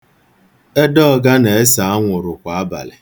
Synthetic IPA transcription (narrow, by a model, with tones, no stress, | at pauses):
e˦dɔ˦˨ɡa˦ne˨e˦sa˨a˦ŋʷʊ˨ɾʊ˨kʷa˨a˦ba̰˨lɪ̰˨